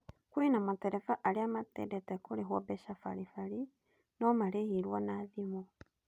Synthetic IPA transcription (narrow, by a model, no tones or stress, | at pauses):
kwinamateɾefaʔaliamatḛdetekuliɦwobeʃafa̰ɾifali | nomalehiɾwanaðimo